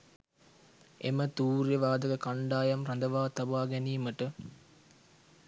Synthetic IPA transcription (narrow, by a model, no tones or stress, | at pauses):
ḛmət̪uːɾjəʋaːd̪əkəkaɳɖaːjɐmrand̪ɐʋaːt̪abaːɡɛniːməʈə